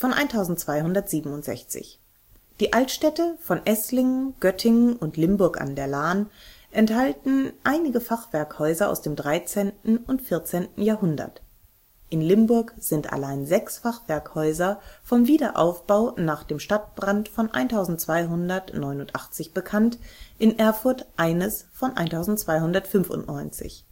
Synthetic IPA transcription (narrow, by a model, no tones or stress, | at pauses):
fɔnʔa̰ɪntʰaʊzn̩tt͡sv̥aɪhʊndɐtz̥iːbm̩ʊntz̥ɛ̰çt͡sɪ̰ç | d̥iːʔaltʃtɛtəfɔnʔɛslɪŋɡ̥œtʰɪŋənʊntlɪmbʊɐka̰ndeːɐlaːn | ʔɛnthaltn̩ʔaɪnɪɡəfaχv̥ɛɐkhɔʏzɐʔa̰ʊsd̥eːmdʁaɪt͡seːntn̩ʊntfɪɐt͡seːntn̩jaːɐhʊndɐ̰t | ʔɪnlɪmbʊɐkz̥ɪntʔa̰laɪnzɛksfaχv̥ɛɐkhɔʏzɐfɔmviːdɐʔa̰ʊfb̥aʊnaːχd̥eːmʃtat̚b̥ʁantfɔnʔa̰ɪntʰaʊzn̩tt͡sv̥aɪɦʊndɐtnɔʏnʊntʔa̰χt͡sɪçb̥əkʰantʔɪnʔɛɐfʊɐtʔaɪnəsfɔnʔa̰ɪntʰaʊzn̩tt͡sv̥aɪhʊndɐtfʏnfʊ̰ntnɔʏnt͡sɪ̰ç